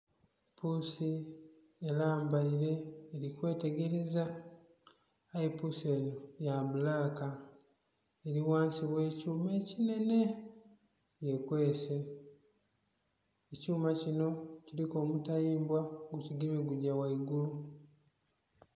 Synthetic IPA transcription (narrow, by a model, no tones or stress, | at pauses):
pʰusi | elaːmbaiɾe̞ːɾikwe̞ːte̞ɡe̞ɾe̞za | jepusie̞ːno̞jamulaːka | eɾiwaːnsiβwe̞ːcuːmeːcine̞ne̞ | je̞kwe̞ːse | ecuːmacino̞ciɾiko̞ːmutajiːmbwaɡuciɡimiɡuɟawaiɡulu